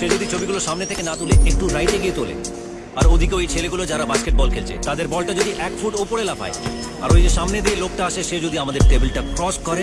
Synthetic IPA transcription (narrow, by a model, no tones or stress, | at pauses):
ʃed͡ʑod̪ʱit͡ɕʰobiɡuloʃamnet̪ʰekenat̪uleʔek̚ʈuɾajt̪eɡiet̪olḛ | aɾod̪ʱikeoejt͡ɕʰeleɡulod͡ʑaɾabaskeʈ̚bɔlkʰelt͡ɕʰḛt̪ad̪eɾbɔlʈad͡ʑod̪iʔɛkfʰuʈupoɾelapʰa̰e | a̰ɾojd͡ʑeʃamned̪ielok̚ʈaaʃeʃed͡ʑod̪ʱiamad̪eɾʈebelʈakɾɔskɔɾe